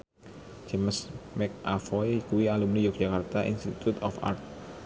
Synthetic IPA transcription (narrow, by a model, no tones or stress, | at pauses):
d͡ʒeməsmɛk̚afɔjkuwialumnijuk̚ʒ̥akart̪aʔḭnst̪it̪ut̪ɔfa̰rt̪̚